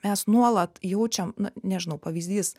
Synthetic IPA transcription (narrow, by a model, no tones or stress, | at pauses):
mʲɛsnuɔlˠɐt̪jɛʊt͡ʃʲɛmnʊnʲɛʒʲɪnɐʊpɐʋʲiːzʲd̪ʲiːs